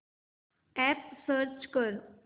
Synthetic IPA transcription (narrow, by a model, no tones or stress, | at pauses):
ɛpsəɾt͡ʃkəɾ